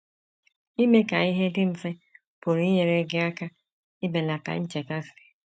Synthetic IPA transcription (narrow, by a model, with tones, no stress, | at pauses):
i˦me˦ka˨i˦ɦe˦dɪ˦m̩˦fe˦ | pʊ˨ɾi˦ɲe˨ɾe˦ɡɪ˦a˦ka˦ | ɪ˦be˨la˨ka̰˨ɲ̩˦t͡ʃe˨ka˦sɪ̥˨